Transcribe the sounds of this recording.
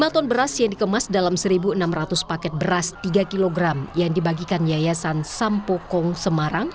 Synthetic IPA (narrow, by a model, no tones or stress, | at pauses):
mat̪ɔnbəɾasjaŋdikəmasdalamsəɾibuənamrat̪ʊspakɛt̪̚bəɾast̪iɡakiloɡɾamjaŋdibaɡikanjajasansampokɔŋsəmaɾaŋ